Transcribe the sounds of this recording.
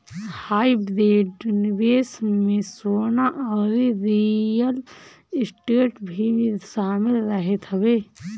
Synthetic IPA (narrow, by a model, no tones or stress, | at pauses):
haːibdeːɖnibesmẽsoːnaʔɔːɾiɾijəl | ɪsʈuʈbʱimeʃaːmɪlɾəɦet̪ɦəbe